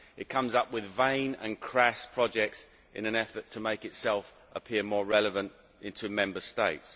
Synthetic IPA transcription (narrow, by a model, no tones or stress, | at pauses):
ɪt̚kʰʌ̃mzʌpwɪðvẽɪ̃nə̰̃nkʰɹ̥aspʰɹ̥ɒd͡ʒɛk̚ts | ʔɪ̰̃nə̃nɛfətʰəmeɪkɪtsɛlˠf | ʔəpʰɪəmɔːɹɛləvə̃nt | ɪ̃ntʰʉmɛ̃mbəsteɪts